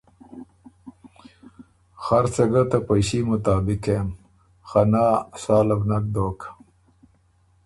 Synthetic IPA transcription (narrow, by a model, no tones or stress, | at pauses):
xɐɾt͡sɐɡɐt̪ɐpɐjɕiːmut̪aːbikem | xɐnaːsaːlɐbnɐk̚d̪oːkḁ